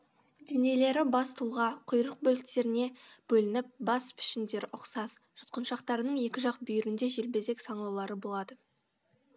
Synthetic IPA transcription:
d̪ene̞le̞ɾɪbɑst̪ʰʊlˠʁɑqʰʊjɾəq̚bɵlɪkt̪e̞ɾɪne̞b̥ɵlɪnɪp̚bɑspʰɪ̥ʃɪnd̪e̞ɾɪʔʊqsɑz̥ | ʒ̥ʊt̪qənʃɑqt̪ɑɾənəɴje̞kʲɪʒɑq̚bʏjɪɾɪnd̪e̞ʒelbe̞ze̞ksɑɴlˠɑwlˠɑɾəbo̞lˠɑd̪ə

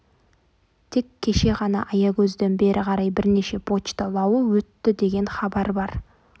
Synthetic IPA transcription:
t̪ʰe̞kʲʰːe̞ʃe̞ʁɑnɑ̰ʔɑjɑkʲʰɵzd̪e̞nbe̞ɾʔɪqʰɑɾɑjbɪɾneʃe̞pʰo̞t͡ʃt̪əlˠɑwəwɵt̪ːɪd̪e̞ɡʲe̞nχɑbɑɾbɑɾ

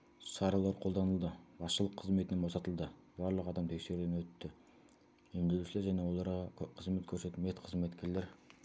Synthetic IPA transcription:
sɑɾɑlˠɑɾqʰo̞lˠd̪ɑnəlˠd̪əbɑsʃəlˠəqʰːəzme̞t̪ɪnebo̞sɑt̪əlˠd̪ə | bɑɾlˠəqɑd̪ɑmt̪ʰe̞kʃe̞ɾud̪enwɵt̪ːɪ | emd̪eluʃɪle̞ɾʒæne̞wo̞lˠɑɾʁɑqʰəzme̞t̪kʲʰɵɾse̞t̪ɪlmet̪qʰəzme̞t̪kʲʰe̞ɾle̞ɾ

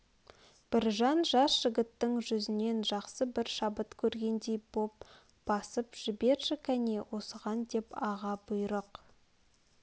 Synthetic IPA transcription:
b̥ɪɾʒɑnʒɑsʒ̥ɪɡʲɪt̪ːəŋʒʏzɪne̞nʒɑqsəbɪɾʃɑbət̪kʲʰɵɾɡʲe̞nd̪e̞jb̥o̞p̚ | b̥ɑsəpʒ̥ɪbe̞ɾʒɪkʲʰæne̞wʔo̞səʁɑnd̪e̞pɑʁɑbʊjɾəq

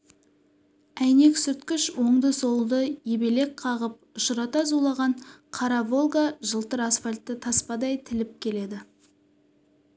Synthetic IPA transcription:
æjne̞ksʏɾt̪kʲɪʃwo̞ɴd̪əso̞lˠd̪əjebe̞le̞k̚qʰɑʁəp̚ʊʃəɾɑt̪ɑzulˠɑʁɑɴqʰɑɾɑvo̞lˠɡaʒəlˠt̪əɾasfalʲt̪ːɪt̪ʰɑspɑd̪ɑjt̪ʰɪlɪp̚kʲʰe̞le̞d̪ɪ

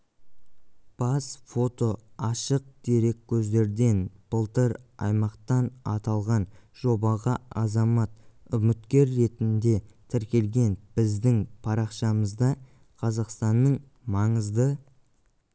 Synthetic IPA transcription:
b̥ɑsfo̞t̪o̞ɑʃəq̚d̪̥e̞ɾe̞kʲʰːɵzd̪e̞ɾd̪e̞nb̥əlˠt̪əɾɑ̰jmɑqt̪ɑnɑt̪ɑlˠʁɑnʒ̥o̞bɑʁɑɑzɑmɑt̪̚ʏmɪt̪kʲe̞ɾːe̞t̪ɪnd̪e̞t̪ʰɪɾkʲe̞lɡʲe̞nb̥ɪzd̪ɪŋpʰɑɾɑqʃɑməzd̪ɑ | qʰɑzɑqst̪ɑnːəɴ | mɑɴəzd̪ə

